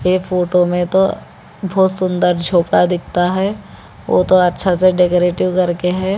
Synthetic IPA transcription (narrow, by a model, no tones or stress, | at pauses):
eːfʰoːʈomẽt̪o | bʱɔːt̪sʊ̃nd̪əɾd͡ʒʱoːpɽad̪ɪk̚ʰt̪aɦɛː | ʋo̰ːt̪oɐtːʃʰaseɖekoːɾeːʈɪʋkɐɾkeɦɛː